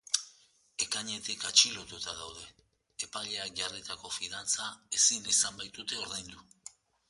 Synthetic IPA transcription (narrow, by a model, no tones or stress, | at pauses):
e̞kaɲe̞t̪ikat͡ʃilo̞t̪ut̪að̞awð̞e̞ | epaʎe̞ak̚ʝarit̪ako̞fiðant͡sae̞sinesambajt̪ut̪e̞o̞ɾðejnd̪u